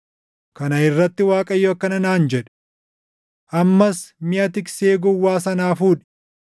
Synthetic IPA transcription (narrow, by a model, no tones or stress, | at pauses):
kɐnɐɪrːɐt̪ːɪwaːkʼɐjːoːkːɐnɐnaːnd͡ʒɛᶑ̥ | ʔɐmːɐsmɪʔɐt̪ɪkseːɡʊwːaːsɐnaːfuːᶑɪ̥